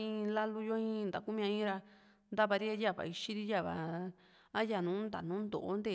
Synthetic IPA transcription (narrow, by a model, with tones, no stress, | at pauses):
ĩ˦˧la˦lu˧jo˦ĩ˦˧nd̪a˨ku˦mĩ˧ã˧ĩ˦ɾa˧ | nd̪a˦βa˧ɾi˦a˦ja˦˨βa̰˨i˧ʃi˦ɾi˦ja˦˨βa̰˨ | a˦ja˧˨nũː˨˦nd̪a̰˨nũː˨˦nd̪o̰˨ʔo˦nd̪e˦˧˨